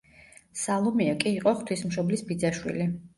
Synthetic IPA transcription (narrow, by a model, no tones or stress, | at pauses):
salˠɔmiakʼiːqʼɔχt̪ʰwismʃɔblisbid̪zaʃwḭli